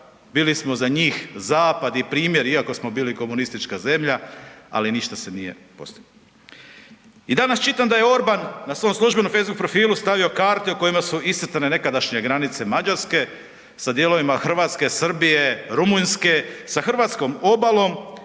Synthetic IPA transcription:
biːlismo̞zaɲiːxzaːpad̪ipɾiːmje̞ɾiako̞smo̞biːliko̞munist̪it͡ʃkaze̞mʎaa̰liniʃt̪ase̞nije̞̰po̞̰st̪iɡ | id̪anast͡ʃit̪amd̪aje̞o̞ɾbanːasʋo̞mslˠuʒbenofejzbukpɾo̞fiːlust̪aʋiokaːɾt̪euko̞jimasuist̪r̩t̪ane̞ne̞kad̪aʃɲe̞ɡɾanit̪se̞mad͡ʑaɾske̞ | sad̪je̞lo̞ʋimaxr̩ʋaːt̪ske̞sr̩bije̞ɾumunske̞saxrʋat̪sko̞mo̞balˠo̞m

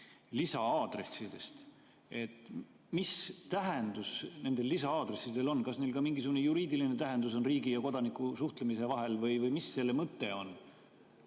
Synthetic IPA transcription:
lisɑɑːd̪̥re̞sːid̪̥e̞st̪ | e̞t̪ːˑ | mist̪æɦend̪̥usne̞nd̪e̞lːisɑɑːd̪̥re̞sːid̪̥e̞lo̞nːkɑsne̞jlkɑmiŋɡisuɡune̞juɾiːd̪iline̞t̪æɦe̞nd̪us̬o̞nriːɡijɑko̞d̪ɑnikːˑusuht̪lemise̞vɑɦe̞lvɤjvɤjmisːe̞lːemɤt̪ːe̞o̞n

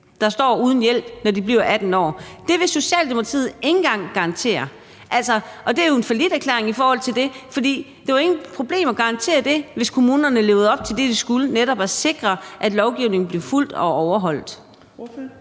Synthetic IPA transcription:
d̥ɑ̈sd̥ɒ̰ːuːð̞ˠn̩jel̰b̥nɒdib̥liʊ̰ʔæd̥n̩ɒ̰ːd̥e̝ʋe̝so̝ɕɛ̰ːld̥emokʰʁḭð̩ˠe̝ŋn̩ɡ̥ɑ̈ŋ̰ɡ̥ɑ̈ʁnt͡sʰe̝̰ːɐ | ʔælsɒʔɒ̽d̥e̝æjoe̝nfælid̥æɐkʰlḛɐʁeŋifɒːhɒ̽l̰t͡sʰe̝ld̥e̝fɒ̽d̥ḭː | d̥eʋɑ̈e̝ŋ̩pʰʁo̝b̥le̝̰ːmɒ̽ɡ̥ɑ̈nt͡sʰe̝̰ːɐd̥e̝ʋe̝skʰo̝muːnɐnəle̝ʊð̩ˠɒ̽b̥̚t͡sʰe̝ld̥e̝d̥isɡ̥uləneɾ̥ɒ̽b̥æse̝ɡ̥ʁɐʔæd̥lɒʊɡ̥iʊne̝ŋn̩b̥liɐful̰d̥ɒ̽ɒʊɐɦɒ̽l̰d̥

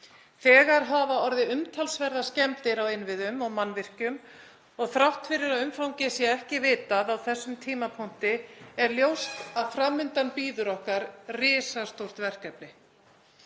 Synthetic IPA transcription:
θɛːɣaɾ̥ɦaːvaɔɾðɪʏmt̪ʰalsvɛɾðascɛmt̪ɪɾawɪnvɪðʏmɔɣmanːvɪr̥cʏm | ɔɣθɾawht̪fɪɾɪɾaðʏmfawɲcɪsjɛɛhcɪvɪːt̪aðawθɛsːʏmt̪ʰiːmapʰʊn̥t̪ɪɛɾljowst̪aðfɾaːmːʏnt̪anpiːðʏɾɔhkaɾrɪːsast̪owr̥t̪vɛr̥kɛpnɪ

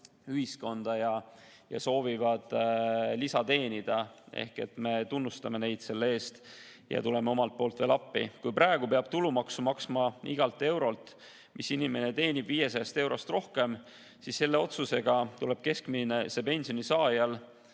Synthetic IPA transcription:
yhisko̞nd̪̥ɑjɑ | jɑ̰so̞ːvivɑd̪̥lisɑt̪e̞ːnʲid̪̥ɑe̞̰hke̞̰t̪me̞t̪unːust̪ɑme̞ne̞jd̪̥se̞lːee̞ːst̪ | jɑ̰t̪ule̞meo̞mɑlt̪̚po̞ːlt̪ve̞ːlɑpːḭkujpɾɑeɡ̥upe̞ɑb̥̚t̪ulumɑksumɑksmɑḭɡ̥ɑlt̪ːˑe̞wɾo̞lt̪ˑ | mʔisinime̞ne̞t̪e̞ːnʲib̥viːje̞sɑjɑst̪e̞wɾʔo̞st̪ro̞hke̞m | sisːe̞lːe̞o̞t̪suse̞ɡ̥ɑt̪ule̞b̥̚ke̞skminesepe̞nʲsio̞nisɑːjɑl

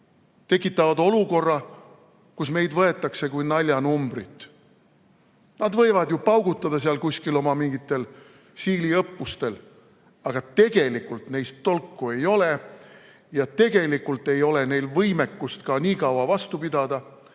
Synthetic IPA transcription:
t̪e̞kːˑit̪ːˑɑvɑd̪o̞luko̞rːɑ | kusme̞jd̪vɤe̞t̪ːˑɑkse̞kujnɑlʲjɑnumbrit̪ːˑ | nɑd̪vɤ̞jvɑd̪jupɑwɡut̪ˑːɑd̪ɑs̬eɑlkusʲkilo̞mɑmiŋɡit̪ːˑe̞l | siːliɤpːust̪e̞l | ɑɡ̥ɑt̪e̞ɡ̥e̞likult̪ne̞jst̪ːo̞lkːˑue̞jo̞le | jɑt̪e̞ɡ̥e̞likːˑult̪ːe̞jo̞le̞ne̞jlvɤjme̞kːust̪kɑniːkɑwɑvɑst̪upid̪̥ɑd̪̥ɑ

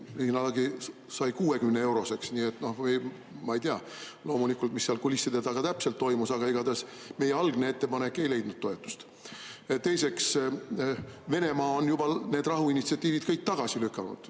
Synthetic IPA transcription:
liɦinɑlɑɡi | sɑjkuːe̞kymneewɾo̞se̞ksniːet̪ːˑno̞hvej | mɑejt̪iɑ | lo̞ːmulikːˑult̪misːeɑlkulisːid̪et̪ɑɡ̥ɑt̪æpselt̪ːo̞jmusɑɡ̥ɑiɡ̥ɑd̪ɑs | me̞jːeɑlɡ̥ne̞e̞t̪ːe̞pɑne̞kːˑe̞jle̞jd̪̥nud̪̚t̪ːo̞et̪ːˑu̥st̪ | t̪e̞jse̞ks | ve̞ne̞mɑːonjub̥ɑne̞ːd̪rɑɦuinit̪siɑt̪ːˑiːvid̪̥kɤjk̚t̪ɑɡ̥ɑsilykːˑɑnṵd̪̥

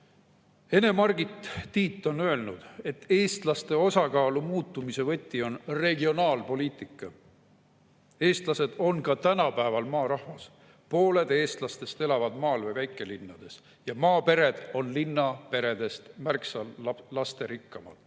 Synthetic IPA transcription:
e̞ne̞mɑrɡ̥it̪ːiːt̪ːˑo̞nø̞e̞lnud̪̥e̞t̪ːe̞ːst̪lɑst̪e̞o̞sɑkɑːlumuːt̪ːˑumise̞vɤ̞t̪ʲːˑio̞nre̞ɡio̞nɑːlpo̞liːt̪ˑikːˑɑ | e̞ːst̪lɑse̞d̪̥o̞nkɑt̪ænɑpæevɑlmɑːɾɑhvɑs | po̞ːle̞d̪e̞ːst̪lɑst̪e̞st̪e̞lɑvɑd̪̥mɑːlvejvæjkˑːe̞linːɑd̪̥e̞s | jɑmɑːpe̞ɾe̞d̪̥o̞nlinːɑpe̞ɾe̞d̪̥e̞st̪mærksɑlɑst̪e̞ɾikːɑmɑ̰d̪̥

